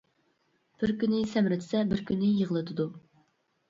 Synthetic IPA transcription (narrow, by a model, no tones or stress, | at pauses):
b̥ɪɾkʲynɪsɛmɾɪt̪ʰɪ̥sɛbɪɾkʲʰynːɪjəʁəlˠɨt̪ʰɨd̪u